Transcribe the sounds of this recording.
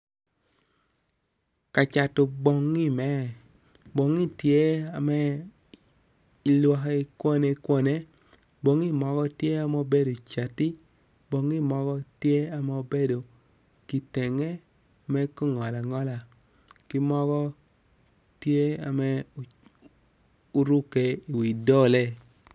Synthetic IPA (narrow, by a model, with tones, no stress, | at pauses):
ka˨t͡ʃa˨to˨bɔ˨ŋːi˦mɛ˦ | bo˨ŋi˦tje˦a˨mɛ˦ | i˨lwɔ˨ɦi˨kwo˦ne˦kwɔ˦ne˦ | bo˦ŋi˦˨mɔ˦ɡɔ˦tje˦a˨mɛ˦o˦be˦do˨t͡ʃa˨ti˦ | bo˨˦ŋi˦mɔ˦kɔ˦tje˦a˨mɛ˦o˦be˦do˨ | ki˨tɛ˨ŋɛ˦ | a˨mɛ˦ko˦ŋɔ˨la˨ŋɔ˦la˨ | kɪ˦mɔ˦kɔ˦ | tje˦a˨mɛ˦ | u˦ɾu˦ke˨i˨wi˨dɔ˦le˦